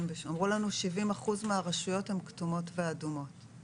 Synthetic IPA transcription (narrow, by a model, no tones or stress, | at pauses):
mveʃamʁulanuʃivimaχuzmeaʁaʃujo̞themktumo̞tveadumo̞t